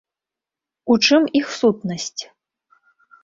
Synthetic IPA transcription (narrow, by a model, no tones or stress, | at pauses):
ut͡ʂɨmixsut̪̚nɐsʲt͡sʲ